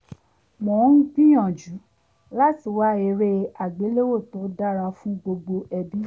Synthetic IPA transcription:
mɔ̃˨˦n̩˦k͡pĩ˦j̃ɔ̃˨d͡ʒu˨˦ | la˦ti˧˨wa˦e˧ɾe˦a˨ɡ͡be˨˦le˦wo˦˨tõ˨˦da˦ɾa˧fũ˦ɡ͡bo˧ɡ͡bo˧ɛ˧bi˦

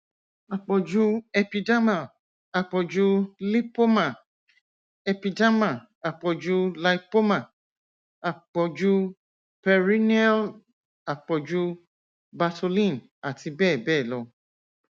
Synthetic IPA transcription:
a˨k͡pɔ˨d͡ʒu˦ɛ˧pi˧da˦ma˦˨ | a˨k͡pɔ˨d͡ʒu˦li˦po˦ma˦˨ | ɛ˧pi˧da˦ma˨ | a˨k͡pɔ˨d͡ʒu˦la˧i˦po˦ma˦˨ | a˨k͡pɔ˨d͡ʒu˦ | pɛ˧ɾi˦nɛ˦l | a˨k͡pɔ˨d͡ʒu˦ | ba˧to˧lĩ˦n | a˨ti˧bɛː˦˨bɛː˦˨lɔ˧

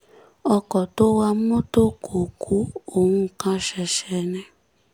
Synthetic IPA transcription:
ɔ˦kɔ˨to˦wa˦m̩˦mʊ˦to˦kʰo˨kʰu˦o˨ŋʷu˦˨ka˦ʃɛ˨ʃe˨ne˦

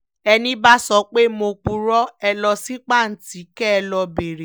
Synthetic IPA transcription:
ɛ˧nĩ˦ba˦sɔ˧˦k͡pe˦mo˧k͡pu˧ɾɔ˦ɛ˧lɔ˧si˦k͡pa˦˨n̩˨ti˨˦kɛ˦ɛ˧lɔ˧be˨ɾe˨

